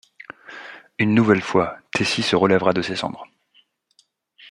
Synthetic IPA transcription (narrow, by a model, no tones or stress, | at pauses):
ynːuvɛlfwat̪ʰesisəʁəlɛvʁad̪əsesɑ̰̃d̪ʁ